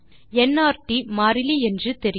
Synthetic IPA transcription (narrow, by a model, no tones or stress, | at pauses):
ɛnːaːɾʈimaːɾɪliɛndrɯt̪ɛɾɪ